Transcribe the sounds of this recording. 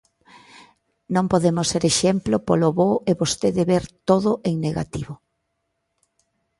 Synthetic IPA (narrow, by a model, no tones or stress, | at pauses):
nõmpoðemʊseɾeʃemplopoloβoeβost̪eðeβeɾt̪oðʊʔeŋneɣa̰t̪iβʊ